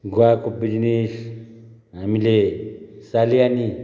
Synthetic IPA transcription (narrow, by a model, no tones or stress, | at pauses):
ɡwakobid͡ʒnis | amilesaliani